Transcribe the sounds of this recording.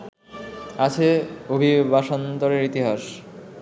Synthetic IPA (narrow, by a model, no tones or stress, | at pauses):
at͡ɕʰeobʱibaʃont̪oɾeɾit̪iɦaʃ